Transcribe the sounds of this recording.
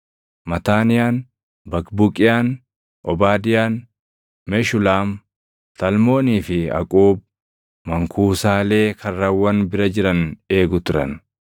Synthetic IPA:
mɐt̪aːnɪjaːn | bɐkbʊkʼɪjaːn | ʔɔbaːd̪ɪjaːn | mɛʃʊlaːm | sɐlmo̞ːniːfɪɐ̰kʼuːb̚ | mɐŋkʰuːsaːle̞ːkʰɐrːɐwːɐnbɪɾɐd͡ʒɪɾɐne̞ːɡʊt̪ʊɾɐ̰n

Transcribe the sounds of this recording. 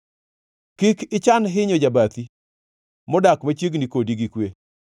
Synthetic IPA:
kikɪt͡ʃanɦɪɲod͡ʒabat̪i | mʊdakmat͡ʃeɡnikodiɡikwe

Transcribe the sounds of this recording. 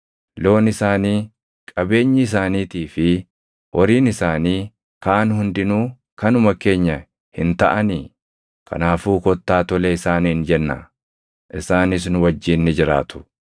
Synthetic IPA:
lo̞ːnɪsaːniː | kʼɐbe̞ːɲːɪɪs̬aːniːt̪iːfɪ | wʔɔɾiːnɪsaːniː | kaːnhʊnd̪ɪnuː | kɐnʊmɐke̞ːɲːɐ | hɪnt̪ɐʔɐniː | kʰɐ̰naːfuːkɔt̪ːaːt̪ɔleɪsaːniːnd͡ʒɛnːa̰ | ʔɪsaːnɪs̬nʊwɐd͡ʒːiːnːɪd͡ʒɪɾa̰ːt̪ʊ̥

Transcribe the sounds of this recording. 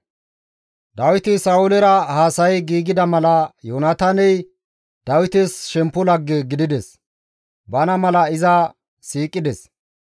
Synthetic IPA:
d̪ɐwɪt̪ɪsɐʊlɛɾɐhaːsɐjɡiːɡɪd̪ɐmɐlɐjoːnɐt̪ɐnɛj | d̪̥ɐwɪt̪ɛsʃɛmpːʊlɐɡːɛɡɪd̪ɪd̪ɛs | bɐnɐmɐlɐɪzɐ | siːkʼːɪd̪ɛs

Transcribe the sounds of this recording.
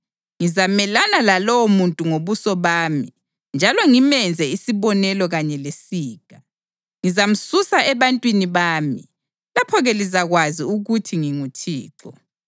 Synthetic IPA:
ŋizamɛlanalalɔwomuntʼuŋoβusɔβaːmi | nd͡ʒʱalɔŋimɛnd͡zʱɛisiβɔnɛlɔɣaɲɛlesiːkʼa | ŋizam̩susaɛβantʼwiniβaːmḭ | lapʰɔɣɛlizaɣwaziuɣutʰiŋiŋutʰḭːǁɔ̰

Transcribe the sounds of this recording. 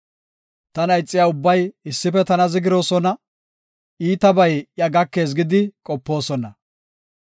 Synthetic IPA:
t̪ɐnɐjt͡sʼːɪjaːʊbːɐjɪsːɪpɛt̪ɐnɐzɪɡɪɾo̞ːsɔnɐ | ʔiːt̪ɐbɐjjɐɡɐkːe̞ːs̬ɡɪd̪ɪkʼɔpːo̞ːsɔnɐ

